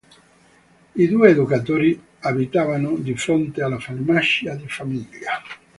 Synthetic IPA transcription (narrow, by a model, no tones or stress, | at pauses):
id̪uːeːd̪ukat̪oːɾi | abit̪avanod̪ifɾont̪ealːafalmaʃiad̪ifamiʎːa